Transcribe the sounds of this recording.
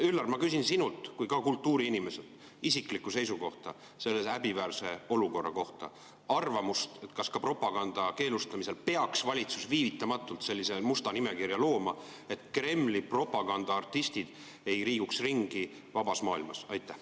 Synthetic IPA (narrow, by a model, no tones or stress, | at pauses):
ylːɑrmɑkys̬insinult̪kujkɑkult̪ːuːɾiinime̞set̪ | isiklikːˑuse̞jsuko̞ht̪ɑ | se̞lːe̞sæbivæːrse̞o̞luko̞rːɑ̰ko̞ht̪ɑ̰ | ɑrvɑmust̪e̞t̪kɑskɑpro̞pːˑɑɡ̥ɑnd̪̥ɑke̞ːlust̪ɑmise̞lpe̞ɑksvɑlʲit̪susviːvit̪ːˑɑmɑt̪ːˑult̪se̞lʲːise̞must̪ɑnime̞kirjɑlo̞ːmɑ | e̞t̪kre̞mːlipro̞pˑɑɡ̥ɑnd̪̥ɑɑrt̪ːist̪id̪̥ | e̞jriːɡ̥uksriŋɡ̥i | vɑb̥ɑsmɑːilmɑsɑjt̪ːˑæh